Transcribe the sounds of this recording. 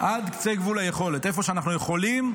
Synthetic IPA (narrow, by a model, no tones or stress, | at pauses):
ʔad̪kt͡se̞jɡvulajeχo̞le̞t̪e̞fo̞ʃeanaχnuje̞χo̞lim